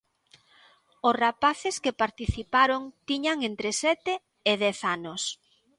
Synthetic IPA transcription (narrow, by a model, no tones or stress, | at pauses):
osrapaθeskepaɾt̪iθipaɾoŋt̪iɲaŋent̪ɾesɛt̪eː | ðɛθanos